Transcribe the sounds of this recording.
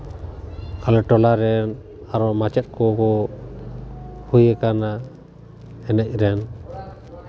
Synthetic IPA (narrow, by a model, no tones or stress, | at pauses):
kalɛʈɔlaɾɛn | aɾɔmat͡ʃɛt̪̚kɔkɔ | hujɛkana | ɛnɛc̚ˀɾɛn